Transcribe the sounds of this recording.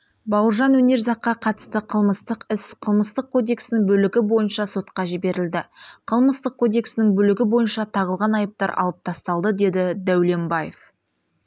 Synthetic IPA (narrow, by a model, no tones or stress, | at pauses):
bɑwəɾʒɑnwɵne̞ɾzɑqːɑqʰɑt̪ə̥st̪əqʰəlˠməst̪əqɪsqʰəlˠməst̪əq̚kʰo̞d̪e̞ksɪnɪŋbɵlɪɡʲɪbo̞jənʃɑso̞t̪qɑʒɪbe̞ɾɪld̪ɪqʰəlˠməst̪əq̚kʰːo̞d̪e̞ksɪnɪŋbɵlɪɡʲɪbo̞jənʃɑt̪ʰɑʁəlˠʁɑnɑjəp̚t̪ɑɾʔɑ̰lˠəp̚t̪ʰɑst̪ɑlˠd̪əd̪e̞d̪ɪd̪æwle̞mbɑjḛf